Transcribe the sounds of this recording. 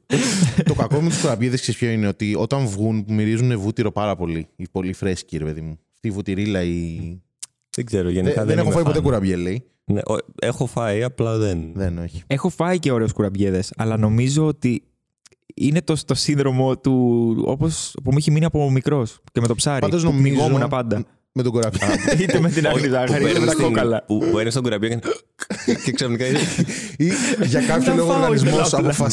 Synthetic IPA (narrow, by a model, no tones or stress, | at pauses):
t̪o̞kɐkozmet̪u̥skuɾɐbʝeðesksespçoineo̞t̪io̞t̪ɐɱvɣunpumiɾizunevut̪iɾo̞pɐɾɐpo̞liipolifɾe̞sciɾepe̞ðimuɐft̪ivut̪iɾilɐi | ðeɡzeɾoʝenieɐðenexofɐipot̪ekuɾɐbʝele | nḛʔoexofɐiɐplɐðenðeno̞çi̥e̞xo̞fɐice̞oɾe̞oskuɾɐbʝeðe̞sɐlɐno̞mizo̞ot̪i | inet̪ot̪o̞sinðɾo̞mo̞t̪uo̞̰pospumueçiminiɐpomikɾo̞sce̞me̞t̪o̞psɐɾɐd̪ɐznommiɣomunɐpɐnd̪ɐ | met̪oɡuɾɐpit̪emet̪inɐnizɐxɐɾiit̪emt̪ɐokɐlɐpuuenist̪oɡuɾɐbjɐkɐn | ceksɐfnikɐ | iʝɐkɐpçɐloɣoɐɐizoilɐ